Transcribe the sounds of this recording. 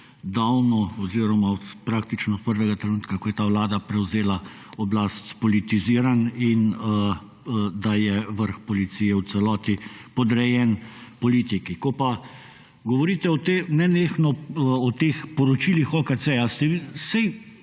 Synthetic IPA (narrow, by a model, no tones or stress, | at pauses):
d̪awnɔɔziːɾɔmaɔt̪pɾaːk̚t̪it͡ʃnɔt̪pəɾʋɛɡat̪ɾɛnuːt̪kakɔjɛt̪aːwlaːd̪apɾɛwzeːla | ɔblaːst̪spɔlit̪iziːɾaninə | d̪ajɛʋəɾxpɔlit̪siːjɛwt̪sɛlɔːt̪ipɔd̪ɾɛjɛnpɔliːt̪ikikɔpa | ɡɔʋɔɾiːt̪ɛɔt̪enɛneːxnɔɔt̪eːxpɔɾɔt͡ʃiːlixɔkaseast̪ɛʋisɛj